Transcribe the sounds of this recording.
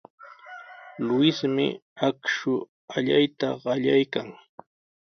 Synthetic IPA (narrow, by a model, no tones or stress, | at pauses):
lʊɪsmɪ̰akʃʊ | aʎajt̪aɢɑʎajkaŋ